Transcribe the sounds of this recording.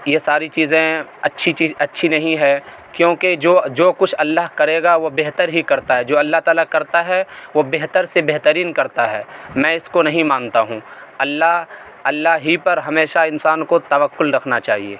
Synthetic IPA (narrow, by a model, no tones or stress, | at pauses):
jesaːɾit͡ʃiːzẽɐtːʃʰit͡ʃiːɐtːʃʰinɐɦĩɦɛ | kjõːked͡ʒoːd͡ʒoːkʊt͡ʃʰɐlːaɦkɐɾeːɡaʋobeɦt̪əɾɦikɐɾt̪aɦɛd͡ʒoːɐlːaɦt̪aːlakɐɾt̪aɦɛʋobeɦt̪əɾsebeɦt̪əɾiːnkɐɾt̪aɦɛːmɛ̃ːɪskonɐɦĩmãːnt̪aɦũːɐlːaɦ | ɐlːaɦipɐɾɦɐmeːʃaɪ̃nsaːnkot̪ɐʋəkːʊlɾɐkʰnat͡ʃaːɦiḛː